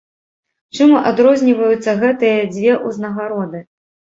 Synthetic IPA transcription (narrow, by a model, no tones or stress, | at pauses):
t͡ʂɨmuʔad̪ɾɔzʲnʲivɐjut̪sːɐɣɛt̪ɨjɐd͡zʲvʲɛʔuznɐɣaɾɔd̪ɨ